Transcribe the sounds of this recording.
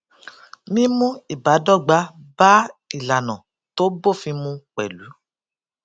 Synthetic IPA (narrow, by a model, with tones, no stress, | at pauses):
mĩ˦mũ˦i˨ba˨˦dɔ˦˨ɡ͡ba˧˦ba˦i˦˨la˨nɔ̃˨ | to˦bo˦˨fĩ˧mũ˧k͡pɛ̰˨lu˨˦